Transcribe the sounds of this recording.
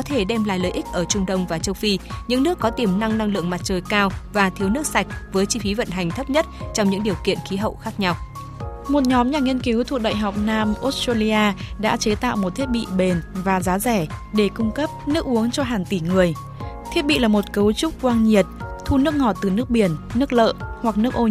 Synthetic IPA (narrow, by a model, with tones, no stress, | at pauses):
ɔ˨˦t̪ʰe˧˩ɗɛ˧mla̰ː˧˨jləː˨˩jʔi˦˥k̚ʔəː˧˩t͡ɕʊ˧ŋ͡mɗə˧wŋ͡mvaː˨˩t͡ɕə˧wfi˧ɲɨ̰˧˥ŋnɨ˦˥əkːɔ˨˦t̪i˨˩əmna˧ŋna˧ŋlɨ̰˧˨əŋma˨˩t̚t͡ɕəː˨˩jkaː˧wvaː˨˩t̪ʰi˨˦əwnɨ˦˥ək̚sa˨˩jk̟̚vəː˨˦jt͡ɕi˧fi˨˦və̰˧˨nɦa˨˩jŋ̟t̪ʰə˦˥p̚ɲə˦˥t̚t͡ɕɔ˧ŋ͡mɲɨ̰˧˥ŋɗi˨˩əwkḭ˧˨ənxi˨˦ɦə̰˧˨wxaː˦˥k̚ɲa˧w | mo˨˩t̚ɲɔ˨˦mɲaː˨˩ŋi˧ənki˨˦wt̪ʰṵ˧˨ɗa̰ː˧˨jɦa˨˩wk͡p̚naː˧mʔo˦˥t̚ta˧li˧aː˧ɗa̰ː˧˥t͡ɕe˨˦t̪a̰ː˧˨wmo˨˩t̪̚ʰt̚ɓḭ˧˨ɓe˨˩nvaː˨˩zaː˨˦zɛ˧˩ɗe˧˩kʊ˧ŋ͡mkə˦˥p̚nɨ˦˥ək̚ʔu˨˦əŋt͡ɕɔ˧ɦaː˨˩ŋt̪i˧˩ŋɨ˨˩əj | t̪ʰji˦˥ət̚ɓḭ˧˨laː˨˩mo˨˩t̚kə˨˦wt͡ɕʊ˦˥k͡p̚kwaː˧nɲi˨˩ət̚t̪ʰu˧nɨ˦˥ək̚ŋɔ˧˩t̚t̪ɨ˨˩nɨ˦˥ək̚ɓi˧˩ənːɨ˦˥ək̚lə̰ː˧˨hwa˨˩k̚nɨ˦˥ək̚ʔo˧